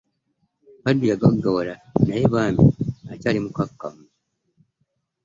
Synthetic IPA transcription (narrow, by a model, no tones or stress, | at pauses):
hadːijaɡaɡaβoɾanajeβaːmḭa̰caːlimukakːamu